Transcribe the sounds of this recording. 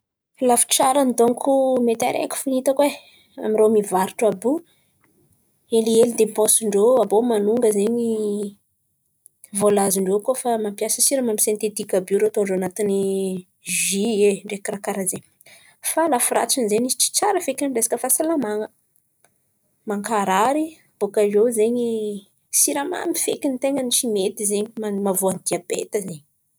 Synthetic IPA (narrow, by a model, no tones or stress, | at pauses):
lafu̥t͡saɾand̪oŋkʰumet̪a̰ɾʔḛkʲu̥funit̪əkwe | a̰miromivaɾiʈ͡ʂabu | elielid̪epɔ̃siɳɖ͡ʐoabomanuŋɡəzeɲi | volaziɳɖ͡ʐokofamampjasəsiɾəmamisẽnt̪et̪ikʲabuɾoat̪oɳɖ͡ʐoanat̪ini | ʒieɳɖ͡ʐekirakaɾazeɲ | falafuɾa̰t͡sinizeɲii̥t͡ʃi̥t͡saɾəfekiaɳɖ͡ʐesi̥kəfasalamaŋə | maŋkaɾaɾi | b̥okaezeɲi | siɾama̰mifḛkint̪eŋənit͡ʃimet̪izeɲimamavoanid̪̥iabḛt̪əzeɲi